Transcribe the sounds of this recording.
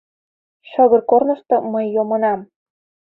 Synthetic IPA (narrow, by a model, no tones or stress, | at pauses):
ʃə̆ɣə̆rkornɤ̆ʃt̪ɤ̆məjːomɤnɑm